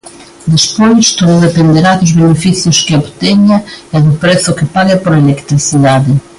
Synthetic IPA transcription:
d̪eʃpojʃt̪ouðepẽnd̪eɾad̪ʊzβenefisjʊʃkɪapt̪eɲɐɛðʊpɾesʊkɪpaɣɐpoɾɐelekt̪ɾisiðaðɪ

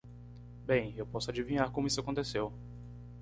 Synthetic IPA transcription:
bẽj̃ewpɔsʊad͡ʒivĩɲaɾkõmʊisʊakõnt̪esew

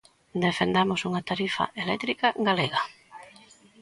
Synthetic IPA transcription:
d̪efend̪amosuŋat̪aɾifa̰ʔelɛ̰t̪ɾikaɡaleɣa

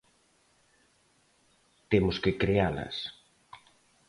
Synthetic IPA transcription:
t̪emʊskɪkɾealɐ̰s

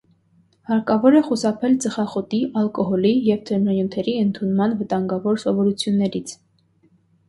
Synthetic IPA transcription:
hɑɾkɑvɔɾɛχusɑpʰɛlt͡səχɑχɔt̪iʔɑlkɔɦɔlijɛvt̪ʰɛɾnɑjut̪ʰɛɾiənt̪ʰunmɑnvət̪ɑŋɡɑvɔɾsɔvɔɾut͡sʰjunːɛɾit͡sʰ

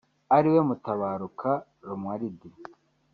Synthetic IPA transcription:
aɾiwe̞mutaβaːɾukʰa | ɾomwaɾidi

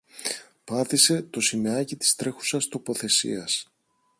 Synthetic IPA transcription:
pɐθise̞t̪o̞simeɐcit̪i̥st̪ɾe̞xu̥sɐst̪o̞po̞θe̞sḭɐs

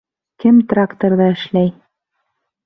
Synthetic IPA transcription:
kɘmt̪rakt̪oɾðɑɘ̆ʃlæj

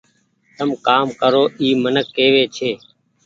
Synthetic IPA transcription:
t̪əmkaːmkəɾoːʔiːmənəkːeːʋeːt͡ʃʰeː

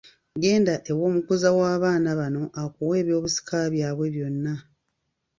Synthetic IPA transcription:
ɡe̞ːndaʔe̞wo̞ːmukuzawaːβaːnaβano̞ʔakuwe̞ːβjo̞ːβusi̥kʰaβjaːβwe̞βjo̞nːa

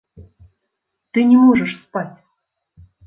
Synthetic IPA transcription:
t̪ɨnʲemoʐəʂspɑtʲ

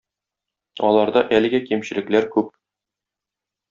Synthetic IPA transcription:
ɒlˠɑɾd̪ɑʔælɘ̆ɡækimɕɘ̆lɘ̆klæɾkʉp̚

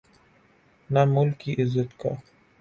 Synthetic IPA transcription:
namʊlkiʔɪzət̪ka

